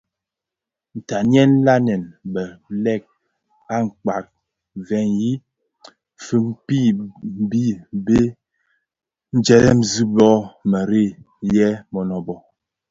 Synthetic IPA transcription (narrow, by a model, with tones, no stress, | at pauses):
n̩˨ta˨njɛ˦n̩˦la˦nɛ˨nbə˨lɛ˦˨k̚ | a˦ŋ̩˨k͡pa˨k̚ | vɛ˨nji˦ | fə˦ŋpi˦˨m̩˦bi˦be˦ | n̩˦d͡ʒɛ˨lɛ˦m̩˨zi˦bɔ˦mə˨ɾe˦˨ | jɛ˦mɔ˨nɔ˨bɔ˨